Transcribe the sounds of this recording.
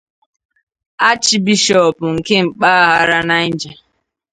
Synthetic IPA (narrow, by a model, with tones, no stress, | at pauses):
a˦t͡ʃi˦bi˦ʃɔ˨pʊ˨ŋ̩˨ke˦ŋ͡m̩˨k͡pa˦a˦ɦa˦ɾa˦na˦n̩˦d͡ʒa˨